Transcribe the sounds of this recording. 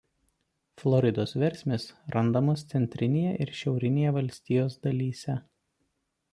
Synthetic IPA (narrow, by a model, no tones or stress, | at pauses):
flˠɔɾʲɪd̪oːsʋʲɛɾʲˑsʲmʲesɾɐnd̪ɐmost̪sʲɛnʲt̪ʲɾʲɪnʲejɛʔɪɾʃʲɛʊɾʲɪnʲeːjɛʋɐlʲsʲt̪ʲiːjoːsd̪ɐlʲiːsʲɛ